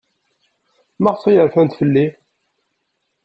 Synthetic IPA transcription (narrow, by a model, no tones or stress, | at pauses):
mæʁsˤijəɾfænt̪fəlːi